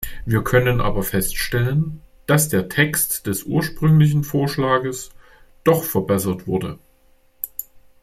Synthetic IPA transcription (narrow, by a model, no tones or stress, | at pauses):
viːɐkʰœnənʔa̰ːbɐfɛstʃtɛlənd̥asd̥eːɐtʰɛkstd̥ɛsʔṵːɐʃpʁ̥ʏŋlɪç̬n̩foːɐʃlaːɡəs | d̥ɔχfɛɐbɛsɐtv̥ʊɐdə̰